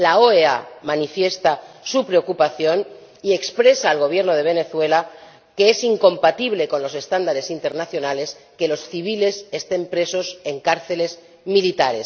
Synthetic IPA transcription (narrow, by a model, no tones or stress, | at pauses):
laoeamanifje̞st̪a | supɾe̞o̞kupaθjo̞n | ie̞kspɾe̞saːlɣ̞o̞β̞je̞ɾno̞ðe̞β̞e̞ne̞θwe̞la | ke̞e̞siŋko̞mpat̪iβle̞ko̞nlo̞se̞st̪and̪aɾe̞sint̪e̞ɾnaθjo̞naleske̞lo̞sθiβ̞ile̞se̞st̪e̞mpɾe̞so̞se̞ŋkaɾθe̞le̞z | milit̪aɾe̞s